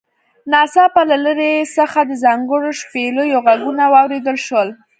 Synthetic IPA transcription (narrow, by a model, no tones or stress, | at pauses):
nɑsɑpalaləɾesəxad̪əzɑŋɡəɽoʃpelojoɣaɡunawɑwɾed̪əlʃwəl